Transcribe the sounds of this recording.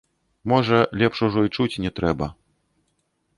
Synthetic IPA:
mɔʐɐlʲɛpʂuʐɔit͡ʂut͡sʲnʲɛt̪ɾɛbɐ

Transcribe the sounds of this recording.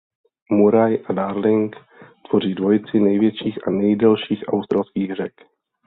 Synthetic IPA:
muɾajʔadaːɾlɪŋk | t̪v̥o̞r̝iːdvo̞jt͡sɪnɛjvjɛt͡ʃiːxʔanɛjdɛlʃiːxʔa̰wst̪ɾalskiːɣr̝ɛk

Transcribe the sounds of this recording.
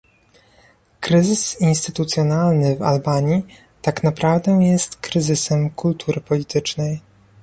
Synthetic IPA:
kɾɘzɘsinst̪ɘt̪ut̪sʲjɔnalnɘva̰lbaɲi | t̪aknapɾavd̪ɛ̃jɛst̪kɾɘzɘsɛmkult̪ʰuɾɘpɔlʲit̪ɘt͡ʂnɛj

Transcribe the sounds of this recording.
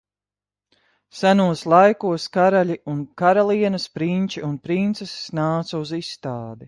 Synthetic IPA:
sanuɔslˠajkuɔskaɾaʎʲiunkaɾalˠiɛnɐspɾinʲt͡ʃiunpɾint̪sessnaːt̪sɐuzisːt̪aːd̪i

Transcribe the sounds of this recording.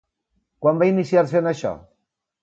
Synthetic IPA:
kwambainisjaɾs̬enaʃɔ̰

